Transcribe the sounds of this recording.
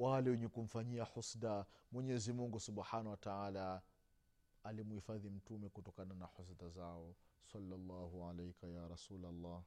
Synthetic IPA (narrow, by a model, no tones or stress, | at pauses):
walɛwɛɲɛkum̩faɲiaħusdamwɛɲɛzimuŋɡusuɓħaːnawataʕaːla | alimuhifaðim̩tumɛkutɔkananaħʊs̬dazaɔsalːalːahuʕalajkajaːɾɑsuːlalːɑːh